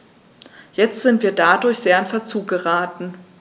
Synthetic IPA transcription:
jɛt͡stz̥ɪntv̥iːɐdadʊɐçz̥eːɐɪnfɛɐt͡suːkɡɡəʁaːtn̩

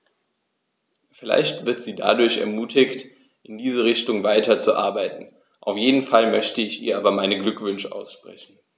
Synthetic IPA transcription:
fɪla̰ɪçtv̥ɪɐtz̥iːda̰dʊɐçɛ̰ɐmuːtʰɪkt | ʔɪndiːzəʁ̞ɪçtʊŋvaɪtɐt͡suʔa̰ɐbaɪtn̩ | ʔa̰ʊfjeːdn̩falmœçtəɪçḭːɐʔaːbɐmaɪnəɡlʏkv̥ʏnʃəʔa̰ʊsʃpʁ̥ɛ̰çn̩

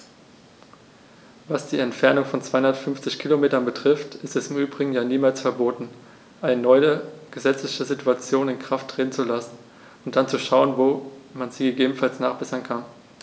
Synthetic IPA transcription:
vasd̥iːɛntfɛɐnʊŋfɔnt͡sv̥aɪʊndɐtfʏnft͡sɪçkʰilomeːtɐnbətʁ̥ɪftɪstɛsɪmʔyːbʁɪɡŋ̩jaːniːmaːlsfɛɐboːtn̩ | ʔaɪnənɔʏəɡ̥əzɛt͡slɪçəzituat͡sjoːnɪnkʁ̥aftʁ̥eːtn̩t͡sulasn̩ | ʊnt̚d̥ant͡suʃaʊənvoːmanziːɡəɡeːbn̩falsnaːχb̥ɛsɐnkʰan

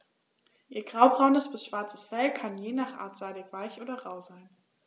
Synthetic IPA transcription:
ʔiːɐɡ̥ʁaʊbʁaʊnəsb̥ɪsʃv̥aɐt͡səsfɛlkʰanjeːnaːχʔa̰ːɐtz̥aɪdɪkv̥aɪçʔoːdɐʁaʊzaɪn

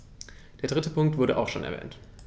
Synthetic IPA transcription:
d̥eːɐdʁɪtəpʰʊŋk̚tv̥ʊɐɾəʔa̰ʊxʃoːnʔɛ̰ɐvɛ̰ːnt

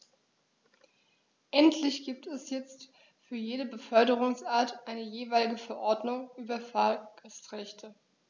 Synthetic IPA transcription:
ʔɛntʰlɪçɡ̥iːp̚tɛsjɛt͡st | fyːɐjeːɾəbəfœɐdəʁ̞ʊŋsʔaːɐtʔaɪnəjeːvaɪlɪɡəfɛɐʔɔɐdnʊŋʔyːbɐfalɡ̥astʁɛçtʰə

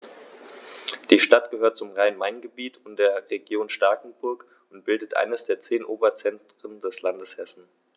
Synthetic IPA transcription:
d̥iːʃtatɡ̥əhøːɐt̚t͡sʊmʁaɪənmaɪnɡəbiːtʰʊnd̥eːɐʁeɡjoːnʃtaɐkŋ̩bʊɐk | ʊntb̥ɪldətʔa̰ɪnəsd̥eːɐt͡seːnʔoːbɐt͡sɛntʁ̥əndɛslandəshɛsn̩

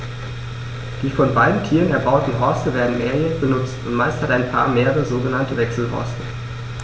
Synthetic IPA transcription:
d̥iːfɔnbaɪdn̩tʰiːʁənɛɐbaʊtn̩ɦɔɐstəveːɐdn̩meːɐjɛːçb̥ənʊt͡stʊntmaɪsthataɪnpʰa̰ːɐmeːʁəʁəəzoːɡənantəvɛksl̩ɦɔ̰ɐstə

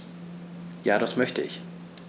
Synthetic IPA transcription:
jaːɾasmœçtəɪç

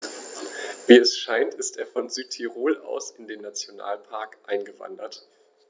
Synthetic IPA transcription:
viːɛsʃaɪntɪstʔeːɐfɔnzyːtʰːiʁoːlʔa̰ʊsɪndeːnːat͡sjona̰ːlpʰaɐkʔaɪnɡəva̰ndɐt

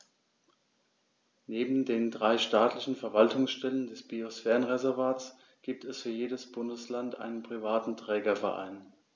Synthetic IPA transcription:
neːbm̩deːndʁaɪʃtaːtlɪçn̩fɛɐvaltʰʊŋsʃtɛləndɛsb̥iosfɛːʁənʁezɛɐvaːts | ɡ̥iːp̚tʰɛsfyːɐjeːdəsb̥ʊndəslantʔa̰ɪnənpʁ̥ivaːtn̩tʁ̥ɛːɡɐfɛɐʔa̰ɪn

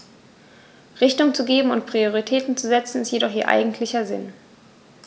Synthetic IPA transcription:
ʁɪçtʊŋt͡suɡeːbm̩ʊntpʁ̥ioʁitʰɛːtn̩t͡suzɛt͡sn̩ɪstjedɔχʔiːɐʔa̰ɪɡŋ̩tʰlɪçɐzɪ̰n

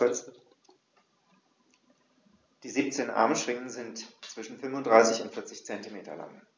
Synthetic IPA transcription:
d̥iːziːp̚t͡seːnʔa̰ɐmʃʁ̥ɪŋənzɪntt͡sv̥ɪʃn̩fʏnvʊntd̥ʁaɪsɪçʊntfɪɐt͡sɪçt͡sɛntimeːtɐ̰la̰ŋ

